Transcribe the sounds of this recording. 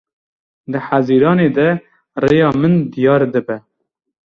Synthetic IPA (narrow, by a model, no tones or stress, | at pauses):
d̪əħaziːɾɑːned̪ɛ | rejɑːmɨnd̪ijɑːɾd̪ɨbɛ